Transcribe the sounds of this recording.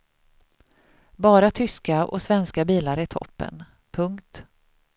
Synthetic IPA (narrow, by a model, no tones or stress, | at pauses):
bɑːɾat̪ʰʏskaʔɔ̰svɛnskabiːlaɾɪt̪ʰɔ̰pːə̰n | pʰɵŋkt̪